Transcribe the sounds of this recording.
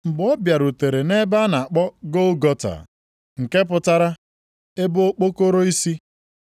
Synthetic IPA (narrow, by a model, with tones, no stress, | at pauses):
ŋ͡m̩˨bɔ˦bja˨ɾu˨te˨ɾe˨ne˦ba˦na˨a˨k͡pɔ˦ɡo˦ɡɔ˦ta̰˨ | ŋ̩˨ke˦p̬ʊ˨ta˦ɾa˦ | e˦bʊ˦o˦k͡po˦ko˦ɾo˦i˦si˦